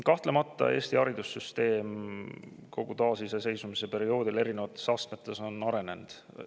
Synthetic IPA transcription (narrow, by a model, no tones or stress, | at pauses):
kɑht̪le̞mɑt̪ˑːɑ̰e̞ːst̪iɑɾid̪̥usːyst̪e̞ːm | kʰo̞ɡ̥ut̪ɑːsisese̞jsumise̞pe̞ɾio̞ːd̪̥ile̞ɾine̞vɑt̪ːˑe̞̥sɑst̪met̪ːˑe̞so̞nɑɾene̞nd̪̥